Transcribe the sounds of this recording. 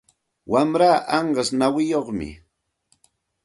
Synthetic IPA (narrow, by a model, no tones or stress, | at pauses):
wamɾaːʔɑɴɢɑsnawɪjoχmɪ̰